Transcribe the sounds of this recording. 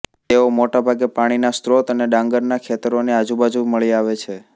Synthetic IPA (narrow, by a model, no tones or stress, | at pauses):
t̪eomoʈabʱaɡepaɽ̃inast̪ɾot̪əneɖãŋɡəɾnakʰet̪əɾonead͡ʒubad͡ʒuməɭiaʋet͡ʃʰe